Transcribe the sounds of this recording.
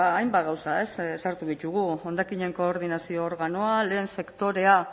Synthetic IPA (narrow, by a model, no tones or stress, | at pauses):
aːjmbaɣawsae̞ssaɾt̪uðit̪uɣ̞uo̞nd̪akiɲe̞ŋko̞ːɾð̞inasio̞ːɾɣano̞ale̞ːnse̞kt̪o̞ɾe̞a